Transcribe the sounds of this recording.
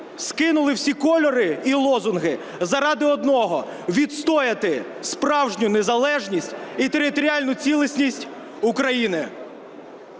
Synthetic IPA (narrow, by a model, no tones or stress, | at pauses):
skɪnʊlˠɪwsʲikɔlʲɔɾɪilˠɔzʊnɦɪ | zɐɾɑd̪ɪɔd̪nɔɦɔ | ʋʲid̪st̪ɔjɐt̪ɪ | spɾɑwʒnʲʊnezɐlˠɛʒnʲisʲtʲit̪eɾɪt̪ɔɾʲiɑlʲnʊt͡sʲilˠɪsʲnʲisʲtʲ | ukɾɐjinɪ